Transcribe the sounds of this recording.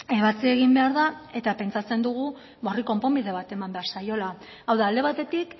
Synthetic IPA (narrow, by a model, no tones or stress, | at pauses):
eβat͡sie̞ɣ̞imbe̞aɾðae̞t̪ape̞nt͡sat͡se̞nd̪uɣ̞u | ɣo̞riko̞mpo̞mbiðe̞βat̪e̞mambe̞aɾsajo̞la | awðaːld̪e̞β̞at̪e̞t̪ik